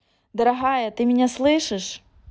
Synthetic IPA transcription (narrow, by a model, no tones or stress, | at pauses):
d̪ɐɾɐɣajɐt̪ɨmʲɪnʲaslˠɨʂɨʂ